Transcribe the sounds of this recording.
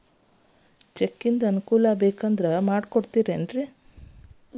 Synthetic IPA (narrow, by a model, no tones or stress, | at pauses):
t͡ʃekːind̪ɐɐnukuːlɐbeːkɐnd̪ɐɾɐmaːɖkoɽt̪iːɾenɖɾi